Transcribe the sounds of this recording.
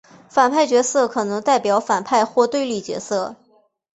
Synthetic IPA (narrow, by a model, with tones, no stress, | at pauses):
fa˨˩npʰa˥˩ɪt͡ɕɥɛ˧˥sɤ˥˩kʰɤ˨˩nɤ˧˥ŋt̪a˥˩ɪpjɑ˨˧˥ʊfa˨˩npʰa˥˧ɪxwɔ˥˧t̪we˥˧ɪli˥˩t͡ɕɥɛ̰˧˥sɤ˥˩